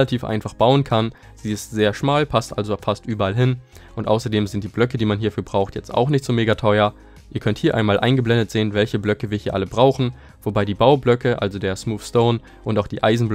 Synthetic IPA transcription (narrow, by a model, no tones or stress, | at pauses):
atʰiːfʔa̰ɪnfaχb̥aʊənkʰan | z̥iːɪstz̥eːɐʃmaːlpʰastʔa̰lzofastʔyːbɐalɦɪn | ʔʊntʔa̰ʊsɐdeːmzɪntd̥iːblœkədiːmanɦiːɐfyːɐbʁaʊxtjɛt͡sta̰ʊxnɪçtz̥oːmeːɡatʰɔʏɐ | ʔiːɐkʰœnthiːɐʔa̰ɪnmaːlʔa̰ɪnɡəblɛndətz̥eːənvɛlçəblœkəviːɐhiːɐʔaləbʁaʊxn̩ | v̥obaɪdiːbaʊblœkəʔa̰lzodeːɐsmuːfstoʊn | ʔʊntaʊxd̥iːʔa̰ɪzn̩bl